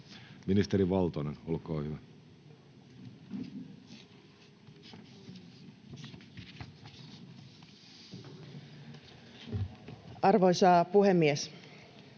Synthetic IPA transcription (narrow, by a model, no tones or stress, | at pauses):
minist̪eɾiʋɑlt̪onenolkoːhyʋæ | ɑrʋo̞jsɑːpuɦe̞mːies